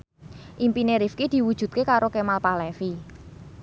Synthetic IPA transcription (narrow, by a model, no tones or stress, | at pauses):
ʔimpineɾifkid̪̥i̤wud̥ʒ̥ṳt̪̚kekaɾokemalpalɛfi